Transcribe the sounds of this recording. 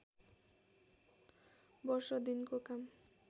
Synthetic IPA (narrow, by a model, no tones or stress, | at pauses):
bɔɾʃɔd̪inkokam